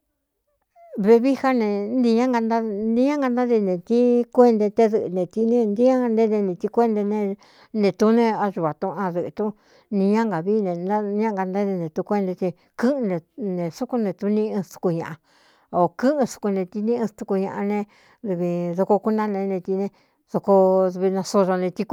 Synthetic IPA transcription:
βe˧βi˦ha˦nẽ˧nd̪ĩ˧ɲã˦ŋɡa˧nd̪a˦nd̪ĩ˧ɲã˦ŋɡa˧nd̪a˦ði˧nẽ˨t̪i˦kʷe˦nd̪e˧t̪e˦ðɨ˧ʔnẽ˨t̪i˧nẽ˦nd̪i˦ã˦˧nd̪e˦ðe˧nẽ˧t̪i˧kʷe˦nd̪e˧nẽ˧ | nẽ˨t̪u˧nẽ˧a˧ʒu˨βa˨t̪ũ˧ʔã˧ðɨ˧ʔt̪u˦ | nĩ˧ɲã˦ŋɡa˨βi˦˧nẽ˧na˦˧ɲã˦ŋɡa˧nd̪a˦ðe˧nẽ˨t̪u˧kʷe˦nd̪e˧t̪e˧ | kɨ̃˦ʔnẽ˧nẽ˨˧su˦ku˧nẽ˧t̪u˧nĩ˧ɨ̃˧t̪u̥˧ku˧ɲã̰˨ʔa˧ | o˨kɨ̃˦ʔɨ̃˧su̥˧ku˧nẽ˧t̪i˧nĩ˦ʔɨ̃˧t̪u˧ku˧ɲã̰˧ʔa˧nẽ˧ | ðɨ˧βi˧ðo˧ko˧ku˦nã˦nẽ˧nẽ˧t̪i˧nẽ˧ | ðo˧ko˧βi˧nã˧so˧ʐo˧nẽ˧t̪i˧k

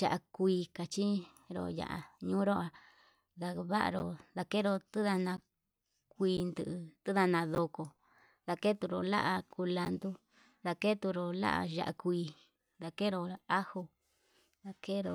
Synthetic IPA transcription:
ʒa̰˨ʔa˨kʷiː˧ka˨t͡ʃi˦ | ɾo̰˧˨ja̰˨ʔa̰˨ɲũː˦ɾo˦a˧ | ða˧βa˦ʔa̰˧ɾo̰˨ða˧ke˦ɾo˧t̪ɨ˦ða˧nã˧ | k̚ʷiː˧nd̪ɨ˧˨ʔt̪ɨ˦ða˧nã˧ðo˧ko˧˨ | ða˧ke˦t̪u˧ɾo˨la̰˦ʔa˧ku˧la˧nd̪u˦ | ða˧ke˦t̪u˧ɾo˧la̰˦ʔa̰˧ʒa̰˧ʔa˧kʷiː˧ | ða˧ke˦ɾo˧a˦ho˧ | ða˧ke˦ɾo˧˨

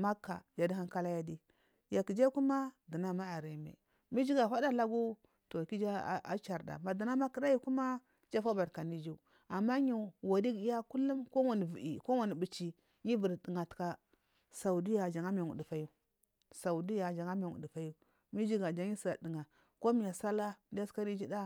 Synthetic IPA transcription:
ma˦kːa̰˨d͡ʒa˨di˦a˦ŋka˦la˦ja˦di˦ | ja˨ki˨d͡ʒa˦ku˦ma˦di˨na˦ma˦a˨ɾi˨mḛ˨ | mi˦d͡ʒi˦ɡa˨fa˦da˦la˦ɡu˦ | to˨ki˦d͡ʒa˦˨a̰˦t͡ʃa˨ɾda̰˨ma˨di˨na˦ma˦ki˨da˦ji˦ku˦ma˦ | d͡ʒa˦fa˦ba˨ɾka˨ni˦d͡ʒi˦˨ | a˨mːa˦ɲi˨wa˨di˦ɡi˦ja˦ku˦lu˦mko˦wa˨ni˨vi˨ḭ˨ko˦wa˨ni˨bi˨t͡ʃi˨ | ɲi˦vu˨ɾdi˨ŋa˨tka˨ | sa˨u˨di˦ja˨d͡ʒa˨ŋa˦m˨a˨ŋṵ˨di˨fa˦ju˦ | sa˨u˨di˦ja˨d͡ʒa˨ŋa˦m˦a˨ŋṵ˨di˨fa˦ju˦ | mi˦d͡ʒi˦ɡa˨d͡ʒa˦ɲi˦sa˨di˨ŋa˨ | ko˦mi˨ja˨sa˦la˦di˦ja˦ska˦ɾi˦d͡ʒi˦da˦

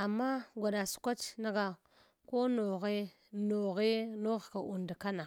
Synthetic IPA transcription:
a˨mːa˦ɡʷa˨ɗa˨su̥˨kʷa˦t͡ʃna˦ɡa˨ | ko˦no˨ɣe˦ | no˨ɣe˦no˦ɣka˨ʔu˨nda˨ka˦na˨

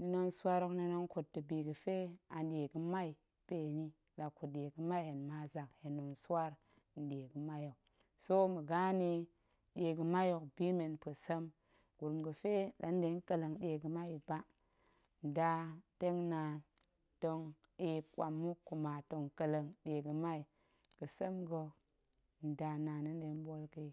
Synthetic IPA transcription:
n˦no˦nsa˦ɾo˦kni˨no˦ŋku˨tːə˨bi˨ɡə˨fe˦a˨n˦ɗe˨ɡə˦ma˦i˨ | pe˨ni˦ | la˨ku˨t̚ɗe˨ɡə˦ma˦i˨he˨nma˨za˨khe˨nːo˨nswa˦ɾ | n̩˨de˨ɡə˨ma˦jo˨k̚ | so˦mə˨ɡa˦ni˦ | ɗʲe˨ɡə˨ma˦jo˨kbi˦me˨npə˨sə˦m | ɡu˨ɾmɡə˨fe˦ɗa˨˦n˦de˨˦ŋ˦kə˨lə˨ŋɗe˨ɡə˨ma˦i˨ba˦ | n̩˨da˨te˦ŋna˨n | to˨ŋ | i˨pkʷa˨mːu˦ku˨ma˨to˨ŋkə˨lə˨ŋɗe˨ɡə˨ma˦i˨ | kə˨sə˦mɡo˦ | n̩˨da˨na˨ni˦n˦de˨˦n˦bo˦lki˨

